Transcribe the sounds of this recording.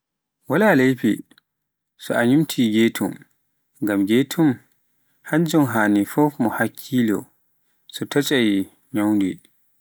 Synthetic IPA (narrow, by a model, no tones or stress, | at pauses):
walaːlejpḭ | sɔaɲumtʰiɡeːtʰum | ɡamɡetʰum | haɲd͡ʒɔnɦaːnifɔfmɔhakʰːiːlɔ̰ | sɔtʰat͡ʃʼaj | ɲawndḭ